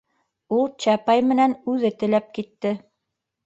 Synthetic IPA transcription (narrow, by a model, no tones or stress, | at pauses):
ulˠt͡ɕæpɑjmɘ̆nænʉðɘt̪ɘ̆læp̚kit̪ːɘ